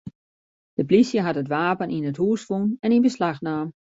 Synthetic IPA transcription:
d̥əplisjəɦatətʋaːpənʔinəthuəsfunɛninbəslaxnaːm

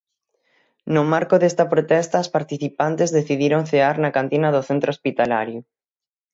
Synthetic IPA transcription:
nʊmaɾkoðest̪ɐpɾot̪ɛst̪aospaɾt̪iθipant̪ezðeθiðiɾoŋθeaɾnɐkant̪inɐðoθent̪ɾospit̪ala̰ɾjʊ

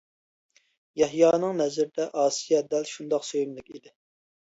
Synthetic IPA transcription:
jɛɦjɑːnɨŋnɛzɪɾd̪ɛʔɑːsijɛd̪ɛlʃund̪ɑqsøjymlˠɪkʲid̪ɪ

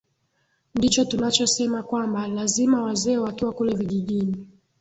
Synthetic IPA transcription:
ndit͡ʃɔtunat͡ʃɔsɛmakwambalazimawazɛwatɔakulɛviʄiʄini

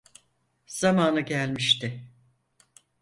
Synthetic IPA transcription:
z̥amaːnɯɟælʲmiʃt̪ɪ

